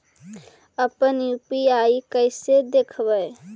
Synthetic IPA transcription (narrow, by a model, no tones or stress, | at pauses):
əpənjupiaikəɪsed̪ekʰbəj